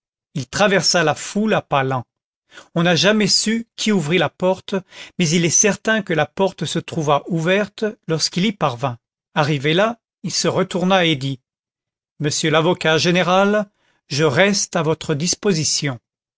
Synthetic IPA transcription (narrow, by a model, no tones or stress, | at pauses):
ilt̪χavɛʁsalafulapalɑ̃ | ɔ̃naʒamɛsykʲʰiuvʁilapɔʁt̪mɛzilɛsɛʁt̪ɛ̃kəlapɔʁt̪sət̪χuvaʔuvɛʁt̪lɔʁskilipaʁvɛ̃ | aʁivela | ilsəʁət̪uʁnaed̪i | məsjølavɔkaʒeneʁal | ʒəʁɛst̪avɔt̪χəd̪ispozisjɔ̃